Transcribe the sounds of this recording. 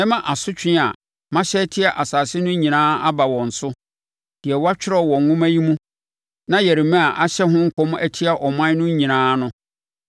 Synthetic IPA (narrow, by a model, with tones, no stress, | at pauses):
ɛ̃˦mã˨ʔa˨sʊ˦t͡ɕᶣɪ˦˨a˨ | mã˦ɕɛ˦tʰi˦a˨ʔa˨saː˨sɪ˦nʊ̃˦ɲĩ˨nãː˦a˦ba˨wɔ̃˨n̩˨sʊ˦ | d̥ɪ˨ɛ˨wa˦t͡ɕᶣɪ˦ɾɔ˦˨wɔ̃˨ŋ˨ŋʊ̃˦mæ̃˦ji˦mũ˦ | nã˦jɛ˨ɾi˨mɛ̃˦a˨ʔa˦ɕɛ˦ɦʊ̃˦ŋ̩˦kʰɔ̃˦m˦æ˦tʰi˦a˨ʔɔ˨mã˦nʊ̃˦ɲĩ˨nãː˦nʊ̃˦